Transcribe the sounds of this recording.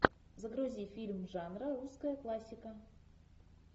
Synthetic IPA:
zəɡɾʊzʲifʲilʲmʐɑnrəɾuskəjəklˠasʲːɪkə

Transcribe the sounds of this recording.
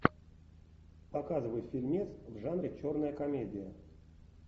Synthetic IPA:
pɐkazɨvəjt̪fʲilʲmʲet̪svʐanɾʲɪt͡ɕornəjəkɐmʲedʲɪjə

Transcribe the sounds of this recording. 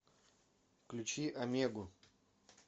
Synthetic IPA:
klʲut͡ɕiʔɐmʲeɡʊ

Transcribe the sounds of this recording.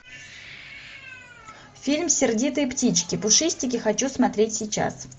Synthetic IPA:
fʲilʲmsʲɪrdʲit̪ɨjptʲit͡ɕkʲɪpʊʂɨsʲtʲɪkʲɪxɐt͡ɕusmɐt̪ɾʲetʲsʲɪjt͡ɕa̰s

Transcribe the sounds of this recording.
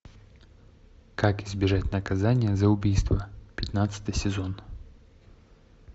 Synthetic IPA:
kakɪzbʲɪʐatʲnəkɐzanʲɪjəzəʊbʲijst̪vəpʲɪt̪nat̪sɨ̥t̪ɨjsʲɪzon

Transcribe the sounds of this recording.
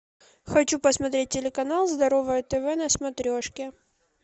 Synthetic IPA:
xɐt͡ɕupəsmɐt̪ɾʲet̚ʲːɪlʲɪkɐnalˠzd̪ɐɾovəjət̪ɛvɛnɐsmɐt̪ɾʲoʂkʲɪ

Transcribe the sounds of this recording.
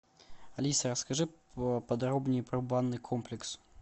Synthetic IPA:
ɐlʲisɐɾɐskɐʐɨɐpɐd̪ɾobnʲɪjpɾɐbanːɨjkʰomplʲɪks

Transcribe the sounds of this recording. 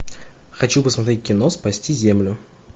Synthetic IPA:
xɐt͡ɕupəsmɐt̪ɾʲet̚ʲkʲɪno̞spɐsʲtʲizʲemlʲʊ

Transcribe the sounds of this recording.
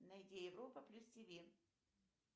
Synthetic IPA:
nɐjdʲejɪvɾopəplʲustʲɪvʲi

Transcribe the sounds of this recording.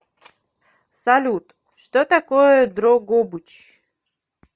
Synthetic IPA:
salʲut̪ | ʂt̪ot̪akojɔd̪ɾɔɡɔbut͡ɕ

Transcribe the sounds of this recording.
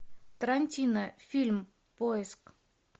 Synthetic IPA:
t̪əɾanʲt̪ʲinəfʲilʲm | pojesk

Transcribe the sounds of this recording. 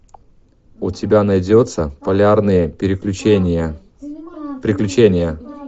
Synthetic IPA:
ʊtʲɪbʲanɐjdʲot̪səpɐlʲarnɨjəɾʲɪ | pʲɾʲɪklʲʉt͡ɕenʲɪjə

